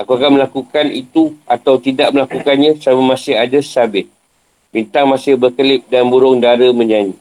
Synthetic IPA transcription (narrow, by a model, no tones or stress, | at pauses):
akuakanməlakukanit̪uat̪awt̪idaʔməlakukanɲãsamamãsɪɦadasabɪt̪̚ | bint̪aŋmãsɪhbərkəlɪp̚danbuɾʊŋdaɾəmə̃ɲaɲi